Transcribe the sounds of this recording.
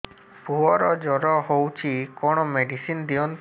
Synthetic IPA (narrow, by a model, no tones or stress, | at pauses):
puɔɾɔd͡ʒɔɾɔɦowt͡ʃʰikɔɽ̃ɔmeɖisind̪iɔnt̪